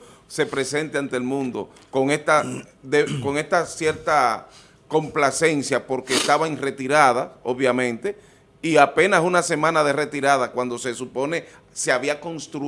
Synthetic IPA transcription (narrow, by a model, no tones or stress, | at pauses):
se̞pɾe̞se̞nt̪eant̪eelmũnd̪o̞̰ | ko̞ŋest̪aðeko̞ŋe̞st̪asje̞ɾt̪a | ko̞mplase̞nsjapo̞ɾke̞ːst̪aβaiŋre̞t̪iɾaðaoβjamẽ̞nt̪e̞ | iape̞nasunase̞mãnaðe̞re̞t̪iɾaðakwand̪o̞se̞supo̞ne̞ | se̞aβiako̞nst̪ɾu